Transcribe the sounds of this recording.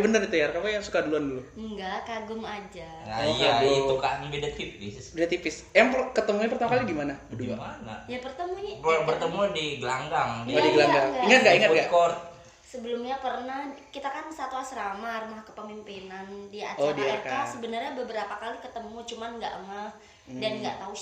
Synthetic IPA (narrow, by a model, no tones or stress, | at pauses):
bənərit̪ujarkakajaŋsu̥kaduluanduluŋɡaʔkaɡʊmad͡ʒa | aadiukaʔnbedat̪ifɪssbedat̪ifɪsjaŋpkət̪əmuɲapərt̪amakalidimanabəduaanjapərt̪əmuɲapərt̪əmudiɡəlaŋɡaŋdiodiɡɡəlaŋɡaŋiŋat̪̚ɡaiŋətɡaʔkɔrt̪̚ | səbəlʊmɲapərnahkit̪akansat̪uasɾamarumahkəpəmimpinandiaodiakaasəbənərɲabəbəɾapakalikət̪əmut͡ʃumanŋɡa̰ʔmah | danŋɡa̰ʔt̪au